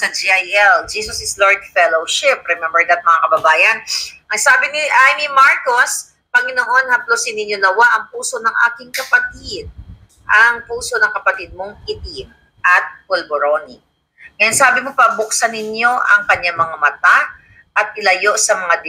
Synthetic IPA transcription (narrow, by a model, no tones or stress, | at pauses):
sɐd͡ʒiʔajʔɛld͡ʒiːsɐsɪsloɹd̪̚fɛlowʃɪp̚ɾɛmɛmbɛɹd̪ɐt̪̚mɐŋakɐbɐbaːjɐnʔɐŋsaːbɪnɪʔajnimaɹkos | pɐŋɪnoʔo̞nhɐplosɪnːɪɲːo̞nɐwaʔɐŋpuːso̞nɐŋʔa̰ːkɪŋkɐpɐt̪ɪd̪̚ | ʔɐŋpuːso̞nɐŋkɐpɐt̪ɪd̪̚mo̞ŋɪt̪i | ʔɐt̪̚polboɾonḭ | kɐjaŋsaːbɪmo̞pɐbʊk̚sɐnɪɲjo̞ʔɐ̰ŋkɐɲaŋmɐŋamɐt̪a | ʔɐt̪̚ʔɪlɐjo̞ʔsɐmɐŋad̪ɪ